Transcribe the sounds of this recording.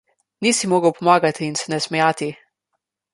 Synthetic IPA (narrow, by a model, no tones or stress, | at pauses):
niːsimoːɡəwpɔmaːɡat̪iːnsɛnɛsmɛjaːt̪i